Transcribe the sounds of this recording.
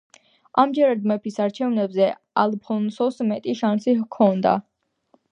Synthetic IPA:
amd͡ʒɛɾad̪mɛpʰisaɾt͡ʃʰɛvnɛbzɛ | alpʰɔnsɔsmɛt̪ʼiʃansikʰɔnd̪a̰

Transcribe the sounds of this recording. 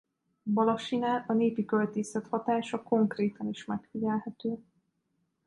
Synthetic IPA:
bɒloʃinalʔɒneːpikølt̪eːsɛt̪hɒt̪aːʃɒko̞ŋkreːt̪ɒniʃmɛkfiɟɛlhɛt̪øː

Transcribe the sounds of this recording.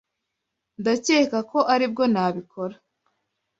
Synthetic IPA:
ndace̞ːkako̞ʔaɾib̚ɡo̞naːβikʰo̞ɾa

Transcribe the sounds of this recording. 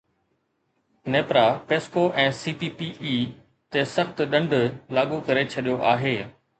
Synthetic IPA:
neːpɾapeːskoʔɛ̃ːsiːpiːpiʔiː | t̪esɐxt̪ɗɐ̃ɳɖʱlaːɠukɐɾet͡ɕʰɐɗijoʔaːɦeː

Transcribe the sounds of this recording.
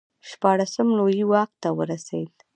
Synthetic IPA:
ʃpɑɽasəmlojiwɑq̚t̪awəɾasewl

